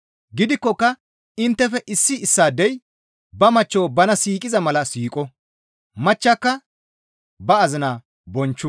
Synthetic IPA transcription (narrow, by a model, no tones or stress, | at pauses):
ɡɪd̪ɪkːɔkːɐ | ɪnt̪ːɛfɛʔɪsːɪɪsːaːd̪ɛj | bɐmɐt͡ʃːoːbɐnɐsiːkʼɪzɐmɐlɐsiːkʼɔ | mɐt͡ʃːaːkːɐ | bɐːzɪnaː | bɔnt͡ʃːʊ